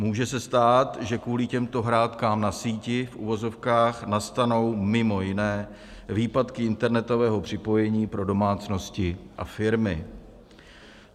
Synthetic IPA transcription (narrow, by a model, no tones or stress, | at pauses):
muːʒɛsɛst̪aːt̪ʒɛkuːlɪcɛmt̪o̞ɦɾaːt̪kaːmnasiːcɪfʔṵvo̞zo̞fkaːxnast̪ano̞wmɪmo̞jɪnɛː | viːpat̪kɪɪnt̪ɛɾnɛt̪o̞vɛːɦo̞pr̝̥ɪpo̞jɛɲiːpɾo̞do̞maːt͡sno̞scɪʔa̰fɪɾmɪ